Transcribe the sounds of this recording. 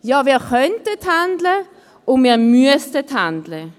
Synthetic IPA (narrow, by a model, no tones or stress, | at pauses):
jɑːviːʁkœntəthandlə | ʊnmiːʁmyəstəthandlə